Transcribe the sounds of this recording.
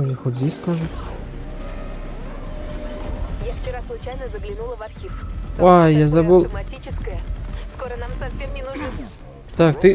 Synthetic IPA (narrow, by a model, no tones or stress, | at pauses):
ʐɨxʊdʲiskaʐɨt̪ | jaft͡ɕɪɾaslˠʊt͡ɕajnəzəɡlʲɪnulˠəvɐt̪xʲifwajazɐbɨlˠmɐtʲit͡ɕɪskəjəskoɾənamsɐfsʲemnʲɪnuʐnɨ | t̪ak̚t̪ɨ